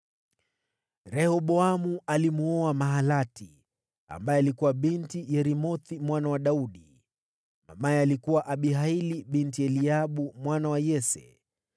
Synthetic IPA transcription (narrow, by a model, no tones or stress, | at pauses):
ɾɛhɔɓɔamualimuɔamaɦalatḭ | a̰mbajɛalikuwaɓintijɛɾimɔθimwanawaɗauɗi | ma̰majɛalikuwaʔaɓiɦailiɓintiɛliaɓumwanawajɛsɛ̰